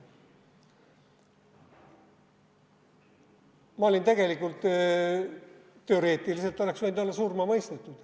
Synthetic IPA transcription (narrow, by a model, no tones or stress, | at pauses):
mɑolʲint̪eɡe̞likːult̪ː | e̞o̞ɾe̞ːt̪ˑilise̞lt̪ːˑoleksvend̪o̞lːɑsuːrmɑmɤjst̪et̪ːˑud̪̥